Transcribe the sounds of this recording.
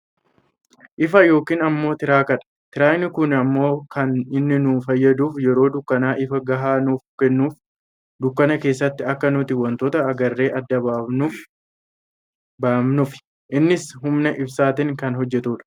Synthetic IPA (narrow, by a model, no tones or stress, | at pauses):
ʔɪfɐjo̞ːkiːnɐmːo̞ːt̪ɪɾaːkɐᶑɐ̥t̪ɪɾaːɪnːɪkʊnɐmːo̞ːkɐnɪnːɪnuːfɐjːɐd̪uːfjɛɾo̞ːd̪ʊkːɐnaːʔɪfɐɡɐɦaːnuːfkɛnːuːf | d̪ʊkːɐnɐke̞ːsːɐt̪ːɪɐkːɐnʊt̪ɪwɐnt̪oːt̪ɐːɡɐrːe̞ːʔɐd̪ːɐbaːbnuːf | baːmnʊfɪ̥ | ʔɪnːɪshʊmnɐʔɪbsaːt̪ɪŋkɐnɦɔd͡ʒːɛt̪uːᶑɐ̥